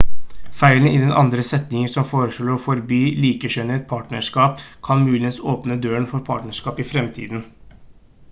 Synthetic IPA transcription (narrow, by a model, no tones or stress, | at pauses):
fæɪlənɪd̪ɛnʔɑ̰nd̪ɾəsɛt̪nɪŋəsɔmfoːɾəʂɭɔːɾɔfɔɾbyːliːkəɕœnəɛt̪̚pʰɑːʈɳəʂkɑːpkʰɑnmʉːlɪənsoːpnəd̪øːəɳfɔɾpʰɑ̰ːʈnəʂkɑːpɪfɾɛmt̪ʰḭːd̪n